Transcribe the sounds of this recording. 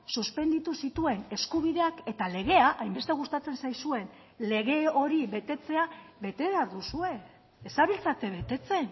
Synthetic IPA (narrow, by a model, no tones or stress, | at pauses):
suspe̞nd̪it̪usit̪ue̞ne̞skuβiðe̞ake̞t̪ale̞ɣ̞e̞aʔajmbe̞st̪e̞ɣ̞ust̪at͡se̞nsajsue̞n | le̞ɣ̞e̞o̞ɾiβe̞t̪e̞t͡se̞aβe̞t̪e̞βaɾðusue̞ | esaβilt͡sat̪e̞βe̞t̪e̞t͡se̞n